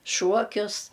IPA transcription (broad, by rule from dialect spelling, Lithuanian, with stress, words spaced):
ˈʃuɔkʲʊs